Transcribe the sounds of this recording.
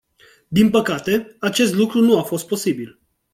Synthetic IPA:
d̪inpəkat̪e̞at͡ʃe̞st̪lukɾunuafo̞st̪̚po̞sibil

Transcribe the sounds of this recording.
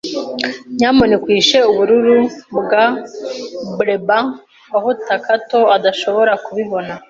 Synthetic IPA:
ɲaːmonekwiːʃe̞uβuɾuɾuβuɡa | bɾeba | ahotakato̞adaʃo̞βo̞ɾakuβiβo̞na

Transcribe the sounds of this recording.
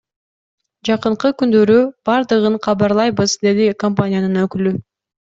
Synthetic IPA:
d͡ʒɑqɯɴqɯkynd̪ø̞ɾyb̥ɑɾd̪ɯʁɯɴqʰɑβɑɾlˠɑjβɯzd̪e̞likomp̬anʲɪjanɯnøkyly

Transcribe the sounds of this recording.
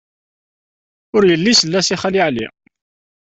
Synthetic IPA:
ʊɾjəlːisəlːæsiχæliʕlḭ

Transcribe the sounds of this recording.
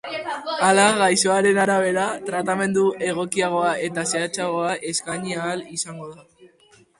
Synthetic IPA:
alaɣajso̞aɾe̞naɾaβe̞ɾat̪ɾat̪ame̞nd̪uʔe̞ɣ̞o̞kiaɣ̞o̞ae̞t̪aseat͡ʃaɣ̞o̞aʔe̞skaɲiaːlisaŋɡo̞ða

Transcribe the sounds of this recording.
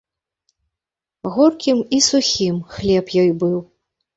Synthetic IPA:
ɣɔrkʲimisuxʲimxlʲɛpjɔjbɨw

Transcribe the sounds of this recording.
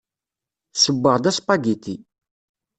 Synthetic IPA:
səbːəʁd̪æspɑɡit̪i

